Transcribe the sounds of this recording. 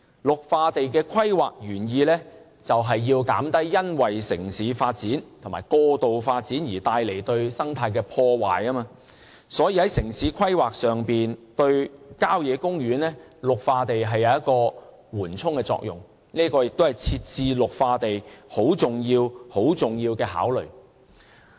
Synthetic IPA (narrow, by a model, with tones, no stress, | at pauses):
lʊ˨k̚faː˧t̪e˨jkɛː˧kʰɐ˥jwaː˨k̚jyː˨˩njiː˧lɛː˥ | t͡sɐ˨wɦɐ˨jːiː˧wkaː˨˥mt̪ɐ˥jːɐ˥nwɐ˨jsɪ̰˨˩ŋsiː˨˥faː˧t̚t͡siː˨˥nt̪ʰmaː˨˩jkɔː˧t̪o˨wfaː˧t̚t͡siː˨˥njiː˨˩t̪aː˧jle˨˩jt̪ɵ˧ɥsɐ˥ŋt̪ʰaː˧jkɛː˧pʰɔː˧wa̰ː˨jɐː˥maː˧ | sɔː˨˥jiː˧hɐ˨˥jsɪ˨˩ŋsiː˨˥kʰɐ˥jwaː˨k̚sœː˨ŋpiː˨nt̪ɵ˧ɥkaː˥wjɛː˨˧kʊ˥ŋjyː˨˥nlɛː˥lʊ˨k̚faː˧t̪e˨jɦɐ˨jːɐ˨˧wjɐ˥t̚kɔː˧ | wuː˨˩nt͡sʰʊ˥ŋkɛː˧t͡sɔ̰˧k̚jʊ̰˨˩ŋ | niː˥kɔː˧jɪ˨k̚t̪o˥hɐ˨˩jt͡sʰiː˧t̚t͡siː˨lʊ˨k̚faː˧t̪e˨jho˨˥wt͡sʊ˨ŋjiː˧who˨˥wt͡sʊ˨ŋjiː˧wkɛː˧ha̰ː˨˥wlɵ̰˨˩ɥ